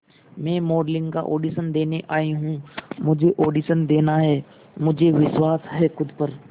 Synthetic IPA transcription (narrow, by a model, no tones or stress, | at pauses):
mɛ̃ːmɔːɖlɪ̃ŋɡka̰ʔoːɖiːʃənd̪eːneʔaːiɦũmʊd͡ʒʱeʔoːɖiːʃənd̪eːnaɦɛː | mʊd͡ʒʱeʋɪʃwaːsɦɛxʊd̪pəɾ